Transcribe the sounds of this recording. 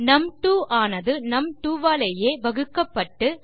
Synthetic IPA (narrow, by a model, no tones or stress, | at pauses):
nɐmʈ̪uːʔaːnɐðɯnɐmʈ̪uːʋaːlɐjeːʋɐɣɯkːɐpːɐʈːɯ